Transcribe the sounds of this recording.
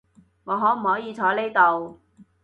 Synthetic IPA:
ŋɔː˨˧ɦɔː˨˥m̩˨˩hɔː˨˥jiː˨˧t͡sʰɔː˨˥le˥jt̪o˨˧w

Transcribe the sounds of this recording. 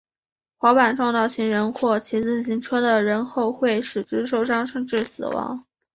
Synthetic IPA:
xwɑ˧˥ʊpa˨˩nʈ͡ʂwɑ˥˧ŋt̪ɑ˥˩ʊɕʰi˧˥ŋɻə˧˥nxwɔ˥˩t͡ɕʰi˧˥t͡sɹ̩˥˩ɕi˧˥ŋʈ͡ʂʰɤ˥d̪ə˨ɻə˧˥nxo˥˧ʊxwe˥˩ɪʂɻ̩˨˩ʈ͡ʂɻ̩˥ʂ̬o˥ʊʂɑ˥ŋʂɤ˥˧ŋʈ͡ʂɻ̩˥˩sɹ̩˨˩wɑ̰˧˥˦ŋ

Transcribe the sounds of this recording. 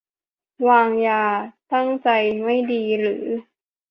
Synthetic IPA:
waː˧ŋjaː˨˩t̪a˥˩ŋt͡ɕa˧jma˥˩jdiː˧ɾɯː˩˦

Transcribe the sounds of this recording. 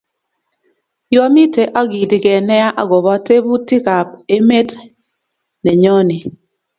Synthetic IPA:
jɔ˦mi˦te˨ʔa˦ɡi˨dɪ˨ɡɛ˨nɛ˦a˦ʔa̰˦ɡɔ˨βa˦te˦bu˦ti˦ka˨pe˦me˦t | nɛ˨ɲɔ˦nɪ˨

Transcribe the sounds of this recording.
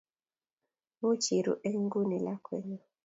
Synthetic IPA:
mu˦t͡ʃi˨ɾṵ˨ʔe˦ŋ˦ɡu˦ne˨la˦kwɛ˦ɲɔ˨

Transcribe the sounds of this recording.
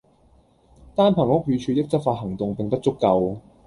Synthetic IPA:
t̪aː˥npʰɐ˨˩ŋhʊ˥k̚jyː˨˧t͡ʃʰyː˨˧t̪ɪ˥k̚t͡sɐ˥faː˧t̚hɐ˨˩ŋt̪ʊ˨ŋpɪ˨ŋpɐ˥t̚t͡sʊ˥kːɐ˧w

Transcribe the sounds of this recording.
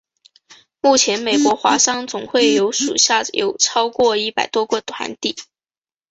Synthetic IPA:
mu˥˩t͡ɕʰjɛ˧˥nme˨˩ɪkwɔ˧˥xwa̰˧˥ʂɑ˥ŋt͡sʊ˨˩ŋxwe˥˩ɪjo˧˥ʊʂṵ˨˩ɕja˥˩jʔo̰˨˩ʊʈ͡ʂʰɑ˥ʊkwɔ˥˧i˥˩pa˨˩ɪt̪wɔ˥kwɔ˥˩t̪ʰwa̰˧˥nt̪i˥˩

